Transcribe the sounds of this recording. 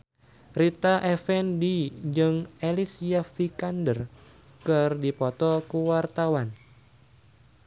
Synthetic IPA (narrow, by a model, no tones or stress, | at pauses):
rit̪aʔɛfɛndid͡ʒɨŋelisiafikandər | kɨrdipɔt̪ɔkuwart̪awan